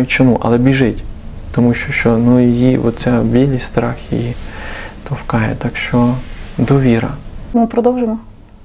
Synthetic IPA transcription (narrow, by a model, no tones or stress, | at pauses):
jʊt͡ʃɔmuʔɐ̰lˠɛbʲiʒɪtʲ | t̪ɔmuʃt͡ʃɔʃt͡ʃɔnujijiʔɔ̰t͡sʲsʲabʲilʲisʲst̪ɾɑxjḭjit̪ɔfkɑjɛ̰t̪ɑkʃt͡ʃɔd̪ɔʋʲiɾɐ̰mɪpɾɔd̪ɔwʒemɔ